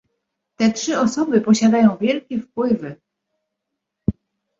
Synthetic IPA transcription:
t̪ɛtʂɘɔsɔbɘpɔɕad̪ajɔ̃w̃vʲjɛlkʲɛfpwɘvɘ

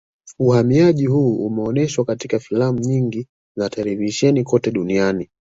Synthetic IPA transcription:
uhamiaʄihuːumɛɔnɛʃwakatikafilam̩ɲiŋɡi | zatʰɛlɛviʃɛnikɔtɛɗuniani

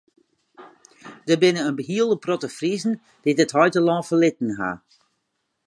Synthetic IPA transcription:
d̥əbɪnəənbəɦiəlˠdəprɔtəfrizn̩ | d̥ɪtəthɔjtəlɔ̃ːfəlɪtn̩ɦa̰

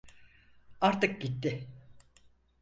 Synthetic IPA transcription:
aɾt̪ɯk̚ɟit̪ːɪ

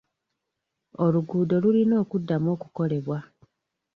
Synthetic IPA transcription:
oluɡuːdo̞lulino̞ːkudːamo̞ːkuko̞le̞βwa

